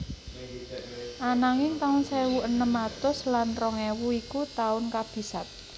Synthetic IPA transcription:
ʔanaŋɪŋt̪aʊnsewuʔənəmat̪ʊslanrɔŋewuikut̪aʊnkab̥i̤sat̪̚

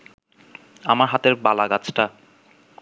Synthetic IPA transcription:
amaɾɦat̪eɾbalaɡat͡ɕʰʈa

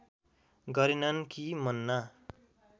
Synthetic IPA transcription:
ɡʌɾenʌnkimʌnːa

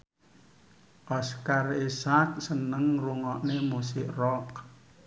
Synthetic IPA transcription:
ʔɔskarisak̚sənəŋruŋɔʔnemusɪʔrɔk̚

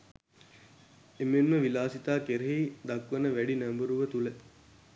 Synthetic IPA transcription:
emenməʋilaːsit̪aːkeɾeɦid̪ɐkʋɐnəʋæɖinæmbəɾuʋət̪ule

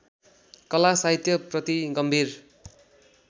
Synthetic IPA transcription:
kʌlasaɦit̪jʌprʌt̪iɡʌmbʱir

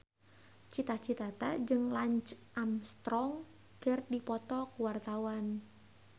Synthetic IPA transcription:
t͡ʃit̪at͡ʃit̪at̪ad͡ʒɨŋlaɲt͡ʃʔamst̪ɾɔŋ | kərdipɔt̪ɔkuwart̪awan

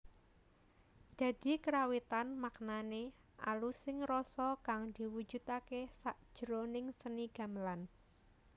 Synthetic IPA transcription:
d̪̥ä̤d̪̥i̤kəɾawit̪anmaknane | ʔa̰lusɪŋrɔsɔkaŋd̪̥i̤wud̥d͡ʒ̥ṳt̪akesaʔd̥ʒ̥əɾonɪŋsəniɡ̥a̤məlan

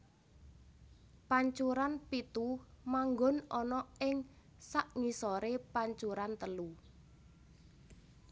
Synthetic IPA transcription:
paɲt͡ʃuɾanpit̪umaŋɡɔnɔnɔɪŋ | saʔŋisɔɾepaɲt͡ʃuɾant̪əlu

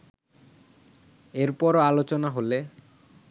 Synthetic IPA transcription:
eɾpɔɾalot͡ɕonaɦole

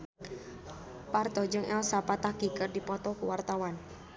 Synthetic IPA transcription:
pard̪̥ɔ̤d͡ʒəŋʔɛ̰lsapat̪aɡ̥i̤kərdipɔt̪ɔkuwart̪awan

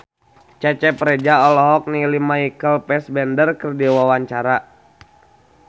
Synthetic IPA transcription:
t͡ʃɛt͡ʃɛpɾɛd͡ʒaɔlɔɦɔk̚nilimaikəlpɛsbɛndərkərdiwawaɲt͡ʃaɾa

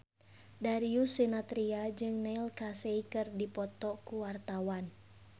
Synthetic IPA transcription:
daɾiusinat̪ɾiad͡ʒɨŋneilkaseikɨrdipɔt̪ɔkuwart̪awan

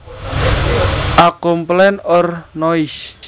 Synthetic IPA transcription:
ʔakomplɛnɔrnɔis

